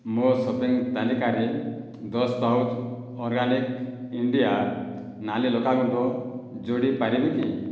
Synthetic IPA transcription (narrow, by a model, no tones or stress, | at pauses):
mosɔpeŋt̪alikaɾe | d̪ɔstaut̪ | ɔɾɡanikiɳɖija | nalilɔkaɡɔɳʈɔd͡ʒoɽipaɾibiki